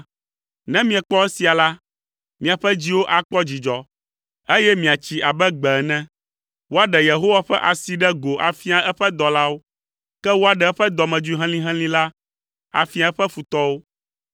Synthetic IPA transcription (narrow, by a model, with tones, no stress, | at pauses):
nɛ̃˦mĩ˦ɛ˨k͡pɔ˦ɛ˦si˨a˨la˦ | mĩ˨a˨ɸɛ˦d͡ʑi˦wo˦ʔa˨k͡pɔ˦d͡ʑi˨d͡ʒɔ˨ | e˦jɛ˦mĩ˨a˨t͡ɕi˨a˨bɛ˦ɡ͡bɛ˨ɛ˨nɛ̃˦ | wo˦a˨ɖɛ˨je˨ɦo˦wa˦ɸɛ˦ʔa˨si˨ɖɛ˦ɡo˨ʔa˨fi˦a˨ɛ˦ɸɛ˦d̪ɔ˨la˦wo˦ | kɛ˦wo˦a˨ɖɛ˨˦ɛ˦ɸɛ˦d̪ɔ˨mɛ̃˨d͡ʒu˦i˦ɦɛ̃˦lĩ˦ɦɛ̃˦lĩ˦la˦ | a̰˨fi˦a˨˦ɛ˦ɸɛ˦fu˨t̪ɔ˦wo˦